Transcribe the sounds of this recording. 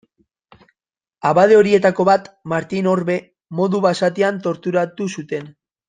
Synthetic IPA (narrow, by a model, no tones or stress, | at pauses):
aβað̞eo̞ɾie̞t̪ako̞βat̪maɾt̪ino̞ɾβe̞ | mo̞ðuβasat̪eant̪o̞ɾt̪uɾat̪usut̪e̞n